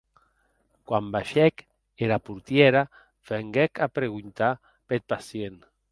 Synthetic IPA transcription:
kwambaʃɛk | eɾapuɾt̪jeɾa | feŋɡɛkapɾeɣunt̪a | pet̪̚pasjen

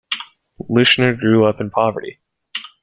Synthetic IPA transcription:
lɪʃnə˞ɡɹʉʌpɨ̃n̩pʰɑvə̰˞ɾḭ

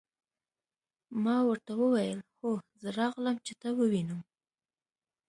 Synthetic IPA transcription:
mɑwəɾt̪awəwajəlxozəɾɑɣləmt͡ʃet̪ɑwəwinəm

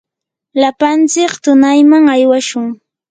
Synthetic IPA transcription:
lapant͡sɪkt̪ʊnajmaŋajwaʃʊŋ

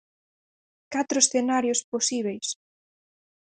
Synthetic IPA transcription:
kat̪ɾʊesθenaɾjosposiβ̞ejs

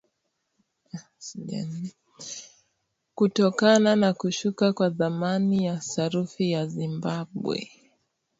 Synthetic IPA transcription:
ɛn | kutɔkananakuʃukakwaðamanijasaɾufijazimbaɓwɛ̰

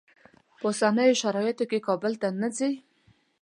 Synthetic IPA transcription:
pəosanəjoʃaɾɑjɪt̪okekɑbəlt̪anazi

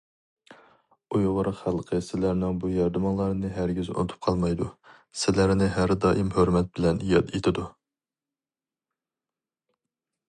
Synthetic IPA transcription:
ujʁʊɾəqχælˠqʰəsɪlæɾnɪŋbujɑɾd̪ɨmɑŋlˠɑɾɨnɨɦæɾɡʲyzo̰nɨt̪ʰp̚qʰɑlˠmɑjd̪u | sɪlæɾnɪɦæɾd̪ɑːʔimhøɾmɛt̪̚bɪlɛnjɑ̰d̪et̪ʰɪd̪u

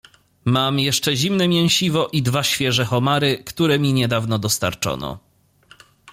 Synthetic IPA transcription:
mamjɛʂt͡ʂɛʑimnɛmʲjɛw̃ɕivɔʔid̪vaɕfʲjɛʐɛxɔmaɾɘkt̪uɾɛmʲiɲɛd̪avnɔd̪ɔst̪a̰ɾt͡ʂɔ̰nɔ̰

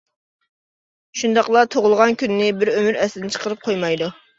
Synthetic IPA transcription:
ʃund̪ɑqlˠɑt̪ʰoʁʊlˠəʁɑnkʲʰynːɪbɪɾømyɾɛsɪd̪ɪnɪt͡ʃʰə̥qʰəɾɨp̚qʰojmɑjd̪u

